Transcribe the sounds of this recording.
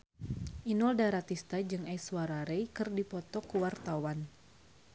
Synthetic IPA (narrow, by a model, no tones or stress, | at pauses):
ʔinɔldaɾat̪ist̪ad͡ʒɨŋaswaɾaɾɛjkɨrdipɔt̪ɔkuwart̪awan